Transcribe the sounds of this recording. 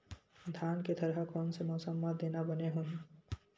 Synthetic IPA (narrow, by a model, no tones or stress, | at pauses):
d̪ʱaːnked̪ʰəɾɦəkɔnsemɔːsəmːad̪eːnabəneɦũn